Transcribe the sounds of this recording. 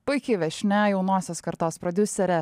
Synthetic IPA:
pʊjkʲɪʋʲɛʃʲnʲɛjɛʊnoːsʲoːskɐɾt̪oːspɾɔd̪ʲʊsʲɛɾʲɛ

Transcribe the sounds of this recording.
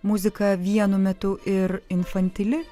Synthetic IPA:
mʊzʲɪkɐʋʲiɛnʊmʲɛt̪ʊʔɪɾɪnfɐnʲt̪ʲɪlʲɪ

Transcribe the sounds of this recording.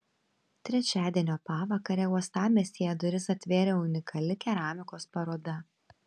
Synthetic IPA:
t̪ʲɾʲɛt͡ʃʲæːd̪ʲiɛnʲoːpɑːʋɐkɐɾʲɛuɔst̪ɑːmʲeːsʲeːjɛd̪ʊɾʲɪsɐt̪ʲʋʲeːɾʲɛːʊnʲɪkʰɐlʲɪkʲɛɾɑːmʲɪkoːspɐɾoːd̪ɐ

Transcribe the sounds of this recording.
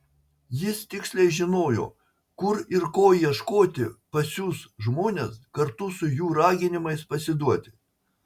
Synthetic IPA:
jɪst̪ʲɪksʲlʲɛɪʒʲɪnoːjo̰ː | kʊɾɪɾkoːjiɛʃkoːt̪ʲɪpɐsʲuːsʒmoːnʲeːskɐɾt̪ʊsʊjuːɾɑːɡʲɪnʲɪmɐɪspɐsʲɪd̪uɔt̪ʲɪ̥

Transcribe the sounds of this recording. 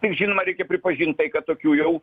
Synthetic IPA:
t̪ʲɪkʒʲinoːmɐɾʲɛɪkʲɛpʲɾʲɪpɐʒʲint̪̚t̪ɐɪkɐt̪t̪oːkʲuːjɛʊ

